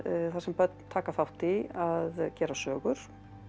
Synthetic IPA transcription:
θaɾ̥sɛmpœt̪nt̪ʰaːkafawht̪iaðcɛːɾasœːɣʏɾ̥

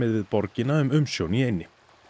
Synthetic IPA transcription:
ɪðvɪðpɔɾcɪnaʏmʏmsjowniejnːɪ

